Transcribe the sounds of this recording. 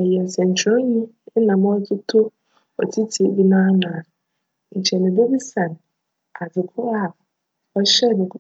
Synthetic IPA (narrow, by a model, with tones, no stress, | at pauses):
ɛ˨jɛ˨n˨sɛ̃˨ɲ̩˨t͡ɕʰõ˦ɲĩ˦ | nã˨m̃˦ɔ˦kʰi˦tʰʊ˦ | ɔ̰˨tʰi˦tʰi˨˦bi˦nã˦nã˨ | ɲ̩˨t͡ɕʰɛ˨nɪ̃˨be˦bi˦sa˨n˨ | a˨d͡zɪ˨kʰʊ˦a˦˨ | ɔ˦ɕɛ˦˨bɪ˨k